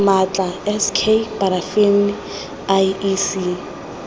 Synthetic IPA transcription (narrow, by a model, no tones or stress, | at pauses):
mat͡ɬʼaɛskʰepaɾafemi | ajisi